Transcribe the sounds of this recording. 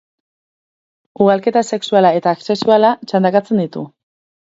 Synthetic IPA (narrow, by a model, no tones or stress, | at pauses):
uɣalke̞t̪ase̞ksualae̞t̪aːkse̞sualat͡ʃand̪akat͡se̞nd̪it̪u